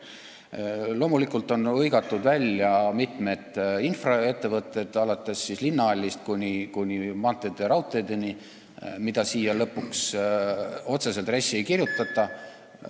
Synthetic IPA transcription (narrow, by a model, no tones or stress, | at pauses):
lo̞ːmulikːˑult̪ːˑo̞nɤjɡ̥ɑt̪ːˑud̪̥vælʲjɑmit̪ˑme̞d̪̥infrɑe̞t̪ːe̞vɤt̪ːˑe̞d̪̥ɑlɑt̪ːˑe̞sːislinːɑɑlʲːist̪̚kunʲikunʲimɑnt̪ːˑed̪̥eɾɑwt̪ˑejd̪̥e̞ni | mid̪̥ɑsiːjɑlɤpːuks | o̞t̪se̞se̞lt̪resʲːie̞jkirjut̪ːˑɑt̪ːˑɑ